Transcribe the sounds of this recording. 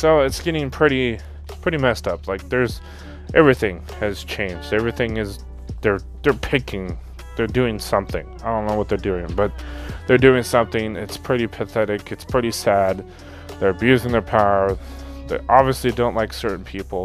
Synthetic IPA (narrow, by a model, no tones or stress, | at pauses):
soʊɨtsɡ̥ɛɾɪ̃ŋpʰɹ̥ɪɾi | pʰɹ̥ɪɾimɛstʌp̚laɪk̚ðə˞z̥ | ʔɛvɹiθɪ̃ŋ | ɨz̥t͡ʃʰẽɪ̃nd͡ʒdɛvɹiθɪ̃ŋɨz | ðə˞ | ðə˞pʰɪkɪ̃ŋ | ðə˞dʉɪ̃ŋsʌ̃mθɪ̰̃ŋaɪdõʊ̃nːoʊwʌt̪̚ðə˞dʉɪ̃ŋb̥ʌt̪̚ðə˞dʉɪ̃ŋsʌ̃mθɪ̃ŋɪtspʰɹ̥ɪɾipʰɨθɛɾɪkɨtspʰɹ̥ɪɾisæd̪̚ | ðə˞ɨbjʉzɪ̃ŋðə˞pʰaʊə˞ | ðeʔɑbviɨslidõʊ̃nʔlaɪksɜ˞ʔn̩pʰipl̩ˠ